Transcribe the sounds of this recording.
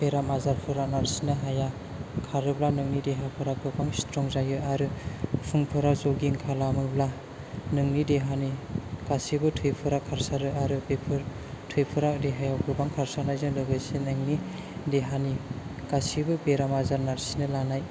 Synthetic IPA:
b̥eɾamazaɾpʰɯɾanaɾsinɯɦaja | kʰaɾɯblanɯŋnideɦapʰɯɾakʰɯbaŋstɾɔŋzajɯaɾɯpʰɯŋpʰɯɾazoɡiŋkʰalamɯbla | nɯŋnideɦanikasibɯtʰɯjpʰɯɾakʰaɾsaɾɯaɾɯbepʰɯɾ | tʰɯjpʰɯɾadeɦajawkʰɯbaŋkʰaɾsanajzɯŋlɯɡɯjsenɯŋni | deɦanikasibɯbeɾamazaɾnaɾsinɯlanaj

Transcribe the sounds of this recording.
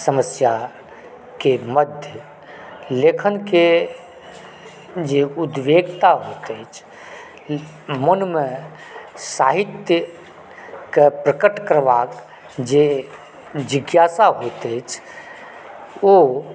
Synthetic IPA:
səməsja | keməd̪ʱjə | lekʰənke | d͡ʒeud̪ʋeɡt̪aɦot̪ɛt͡ʃʰ | mənme | saɦit̪jə | kepɾəkəʈkəɾʋak | d͡ʒe | d͡ʒiɡjasaɦot̪ɛt͡ʃʰ | o

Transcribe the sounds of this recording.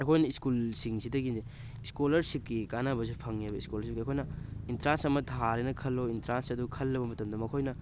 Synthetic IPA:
ɐkʰojnɐiskulsiŋsidɐɡinze | iskolɐɾsikːikanɐbɐz̬upʰɐŋebɐiskolɐɾsikɐkʰojnɐintɾansɐmɐtʰaaɾinɐkʰɐlːointɾansɐdukʰɐlːɐbɐmɐtɐmdɐmɐkʰojnɐ

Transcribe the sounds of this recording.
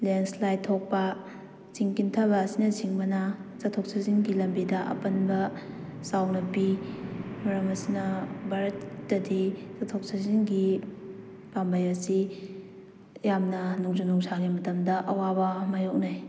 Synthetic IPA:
lenslajtʰok̚pɐ | t͡ʃiŋkintʰɐβɐːsinɐsiŋbɐnɐt͡ʃɐtʰok̚sʰaziŋɡilɐmbidɐʔɐ̰pɐnbɐ | sawnɐpi | mɐɾɐmɐsinɐbaɾɐt̚ːɐdit͡ʃɐtʰok̚saziŋɡi | pambɐjɐsi | jamnɐnuŋd͡ʒunuŋsʰaɡimɐtɐmdɐʔɐwabɐmajok̚naj

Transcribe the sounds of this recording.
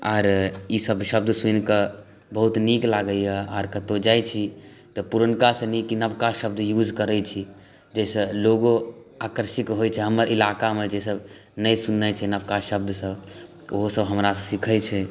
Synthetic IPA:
aːɾisəbʃəbd̪sunke | bəɦut̪niklaɡəjəaɾkət̪od͡ʒajt͡ʃʰi | t̪ɔpuɾənkasə̃nikinəbkaʃəb̚d̪jud͡ʒkəɾɛt͡ʃʰi | d͡ʒɛsə̃loɡoakəɾʃikɦojt͡ʃʰɛɦəməɾilakamed͡ʒesəb | nəjsunːɛt͡ʃʰɛnəbkaʃəb̚d̪ʱsəb | o̰ɦosəbɦəmɾasikʰɛt͡ʃʰɛ

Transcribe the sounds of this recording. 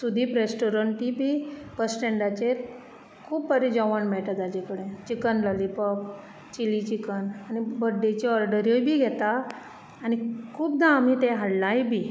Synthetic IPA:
sud̪ʱiːpɾesʈoɾəɳʈibʱipəsʈeɳɖat͡ɕeɾ | kʰuːbpəɾid͡ʑɔʋəɳmɛɭʈad̪ad͡ʑekəɽet͡ɕikənlalipəp | t͡ɕilit͡ɕikənanibəɖːet͡ɕiɔɾɖəɾəjbʱiːɡʱɛt̪aː | ñikʰuːp̚d̪aːm̤iːt̪eɦaɽlaɦibʱiː

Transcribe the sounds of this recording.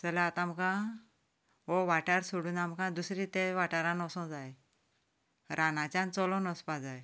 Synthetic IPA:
t͡səlat̪amkã | oʋaʈaɾsoɽũːnamkãd̪usɾit̪ẽʋaʈaɾãnɔsɔ̃d͡zaj | ɾʔanat͡ɕãnt͡sɔlɔ̃nɔspad͡zaj

